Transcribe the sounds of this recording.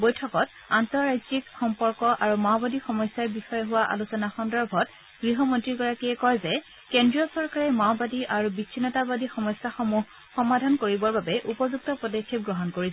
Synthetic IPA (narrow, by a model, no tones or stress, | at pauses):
bɔjtʰɔkɔt | antɔɹːajd͡ʒikxɔmpɔɹkɔʔaɹumawbadixɔmɔsjaɹbixɔjɛɦʊwaʔa̰lusɔnaxɔndɔɹbʱɔt | ɡ̥ɹiɦɔmɔntɹiɡɔɹakiɛkɔɹzɛ | kɛndɹiɔsɔɹkaɹɛmawbadiʔaɹubit͡ʃʰinɔtabadixɔmɔsjaxɔmuɦ | xɔmadʱankoɹibɔɹbabɛʔupɔzuk̚tɔpɹɔdɔkʰːip̚ɡɹɔɦɔnkoɹisɛ